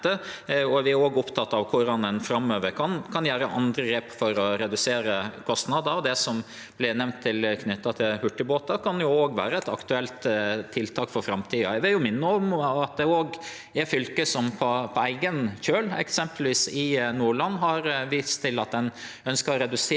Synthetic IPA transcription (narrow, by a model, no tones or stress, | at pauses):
əɔʋɪæɾoːɡɔpt̪ʰɑt̪ːɑʋkʰʊɾɑnɛnfɾɑmːøːʋəɾkʰɑnkʰɑnjæːɾəʔɑ̰nd̪ɾəɡɾeːpfɔɾɔɾɛd̪ʉseːɾəkʰɔst̪nɑd̪əɾd̪ɛsɔm | b̥lɪnɛʋnt̪ʰːɪlkʰnʏt̪ːɑt̪ʰɪlhʉʈːɪboːt̪ɑkʰɑnjʊoːɡʋæ̰ːɾəɛt̪ɑkt̪ʉɛlt̪t̪ʰːɪlt̪ʰɑːkfɔɾfɾɑmt̪ʰiːɑæɪʋɪljʊmɪnːəɔmɑt̪̚d̪ɛoːɡ | æɾfʏlkəsɔmpʰɔpʰɔæɪɡənçøːlɛ̰ksɛmpəlʋiːsɪnuːɭɑnːɦɑɾʋiːst̪ʰːɪlɑt̪̚d̪ɛn | œnskəɾɾɛd̪ʉs